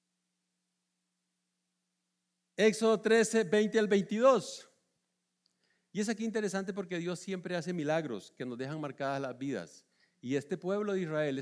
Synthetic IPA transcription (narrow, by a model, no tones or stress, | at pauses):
e̞kso̞ðot̪ɾesebe̞jnt̪ealbe̞jnt̪iðo̞s | ie̞s̬akiːnt̪e̞ɾe̞sant̪̬e̞p̬o̞ɾke̞ðjo̞sːje̞mpɾeas̬e̞milaɣɾo̞̰ske̞no̞zd̪e̞xaŋmaɾkaðazlazbiða̰s | ie̞st̪e̞pwe̞βloðeisrae̞le